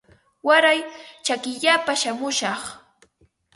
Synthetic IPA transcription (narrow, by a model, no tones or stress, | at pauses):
waɾajt͡ʃakɪʎapaʃamʊʃɑχ